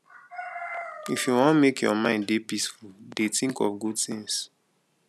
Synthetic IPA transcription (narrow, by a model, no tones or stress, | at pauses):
ifjuwɔ̃nmekʰjɔmãɪ̃ndepisfuldetĩŋkɔ̰fɡudθĩŋs